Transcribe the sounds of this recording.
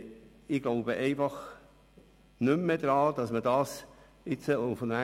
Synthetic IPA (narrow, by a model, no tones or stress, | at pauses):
ɪɡ̥loʊbəʔɛɪfɑχ | nʏmːɛd̪ɾɑːd̥̪ɑsmədɑːs | ɪt͡səʊnfɔnæ